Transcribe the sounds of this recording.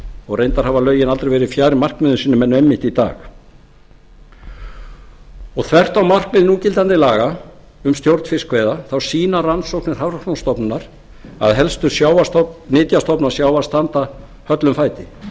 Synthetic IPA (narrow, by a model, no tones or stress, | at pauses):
ɔɣrejnt̪aɾ̥havalœːɥjɪnalt̪ɾejvɛɾɪðfjaːɾɪmar̥kmɪðʏsiːnʏmɛnːɛmːɪht̪it̪a̰ːx | ɔɣθʰvɛr̥t̪awmar̥kmɪːðɪnuːcɪlt̪ant̪ɪlaːɣa | ʏmst̪jowɾt̪fɪskvejðaθawsiːnaransowknɪɾ̥havɾak̪ɔnst̪ɔpnnaɾ̥ | a̰ðɦɛlst̪ʏɾ̥sjaːwat̪ɔnɪːt̪jast̪ɔpnaɾ̥sjaːwvḁst̪ant̪a | hœt̪lʏmfaːjt̪ɪ